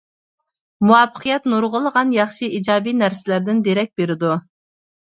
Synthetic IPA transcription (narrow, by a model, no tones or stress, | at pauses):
muɑpʰːə̥qʰijɛt̪noɾʁʊlˠəʁɑnjɑχʃɨʔid͡ʒɑːbijnæɾsɪlæɾd̪ɪnd̪eɾɛk̚ʲbeɾɪd̪u